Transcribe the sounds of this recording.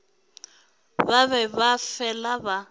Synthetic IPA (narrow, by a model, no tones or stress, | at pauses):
baβɛβafɛlaβa